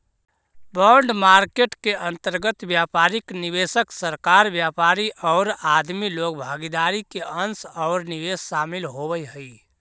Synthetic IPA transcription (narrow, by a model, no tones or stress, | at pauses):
bɔːɳɖmaːɾkeʈkeʔə̃nt̪əɾɡət̪bjaːpaːɾɪknɪʋeːsəksəɾkaːɾbjaːpaːɾiʔɔːɾaːd̪miloːk̚bʱaːɡid̪aːɾikeə̃nsɔːɾnɪʋeːsʃaːmɪlɦobəjɦəi